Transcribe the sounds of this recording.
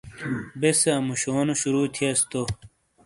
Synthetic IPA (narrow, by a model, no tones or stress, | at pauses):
beseɐmuɕoːnoɕuɾuːt̪ʰiɐst̪o